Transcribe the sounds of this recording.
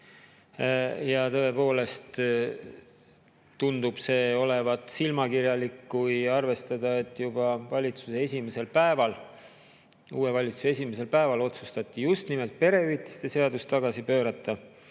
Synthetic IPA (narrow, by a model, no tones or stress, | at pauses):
jɑt̪ɤ̞e̞po̞ːle̞st̪ | und̪̥ub̥se̞ːo̞le̞vɑt̪ːˑsilmɑkirjɑlikːujɑrve̞st̪ɑd̪̥ɑe̞t̪ːˑjub̥ɑvɑlʲit̪suseesʲimese̞lpæevɑl | uːe̞vɑlʲit̪suseesʲimese̞lpæevɑlo̞t̪sust̪ɑt̪ʲːijust̪nimelt̪̚pe̞ɾe̞yt̪ːˑi̥st̪e̞se̞ɑd̪ust̪ːɑɡ̥ɑsipøːɾɑt̪ːˑɑ